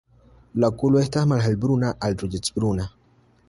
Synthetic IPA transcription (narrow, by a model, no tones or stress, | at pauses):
lakːulweht̪ahmalɦalbiɾunaʔaldɾud͡ʒit͡sb̥iɾuna